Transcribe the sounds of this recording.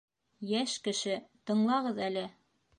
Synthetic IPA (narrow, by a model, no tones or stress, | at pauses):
jæʃkɘ̆ʃɘt̪ɤ̆ɴlˠɑʁɤðælɘ